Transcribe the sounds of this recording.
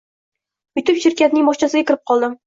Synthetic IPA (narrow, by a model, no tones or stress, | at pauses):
ʊjt̪ʰɪpʃɪɾkʲat̪̚nɪŋmɒʃt͡ʃʰasɪɡʲakʲɪɾɪp̚qʰɒlˠd̪ɪm